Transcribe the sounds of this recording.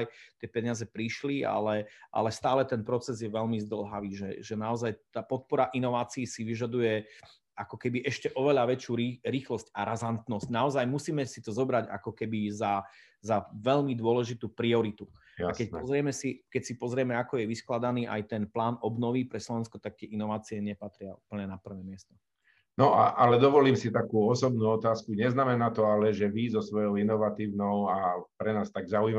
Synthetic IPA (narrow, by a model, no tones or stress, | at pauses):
jt̪ɪɛpɛɲɪazɛpɾiʃlia̰lɛʔa̰lɛst̪aːlɛt̪ɛnpɾɔt͡sɛzjɛʋɛʎmizd̪l̩ɦaʋiːʒɛ̰ʒɛnaɔzajt̪aːpɔt̪̚pɔɾaʔinɔʋaːt͡siːsiʋiʒad̪ujɛ | akɔkɛbiʔɛʃcɛʔɔʋɛʎaʋɛt͡ʃjuɾiɾiːxlɔscaɾʔazant̪nɔscnaɔzajmusiːmɛsit̪ɔzɔbɾaɟa̰kɔkɛbiza | zaʋɛʎmid̪ʊɔlɛʒit̪uːpɾiɔɾit̪u | akɛcɔzɾɪɛmɛsikɛcsipɔzɾɪɛmɛakɔjɛʋisklad̪aniːʔa̰jt̪ɛnplaːnʔɔbnɔʋipɾɛslɔʋɛnskɔt̪ak̚t̪ɪɛʔinɔʋaːt͡siɛɲɛpat̪ɾɪauːpl̩ɲɛnapr̩ʋɛːmɪɛst̪ɔ | nɔa̰ʔalɛd̪ɔʋɔliːmsit̪akuːɔsɔbnuːɔt̪aːskuɲɛznamɛnaːt̪ɔalɛʒɛʋizɔsʋɔjɔʊinɔʋat̪iːʊnɔʊapɾɛnaːst̪aɡzauima